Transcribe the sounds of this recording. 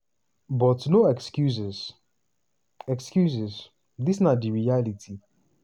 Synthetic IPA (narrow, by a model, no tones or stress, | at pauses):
bɔtnoɛkskjuzɛs | ɛkskjuzɛs | disnadiɹialitʰi